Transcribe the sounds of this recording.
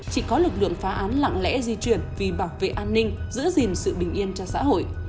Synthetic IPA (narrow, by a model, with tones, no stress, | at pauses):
t͡ɕḭ˧˨kɔ˨˦lɨ˨˩k̚lɨ̰˧˨əŋfaː˨˦ʔaː˨˦nla̰˧˨ŋlɛ̰˧˥zi˧t͡ɕwi˨˩ənvi˨˩ɓaː˧˩wvḛ˧˨ʔaː˧nːï˧ŋ̟zɨ̰˧˥əzi˨˩nsɨ̰˧˨ɓï˨˩ŋ̟ʔi˧ənt͡ɕɔ˧sa̰ː˧˥ho̰˧˨j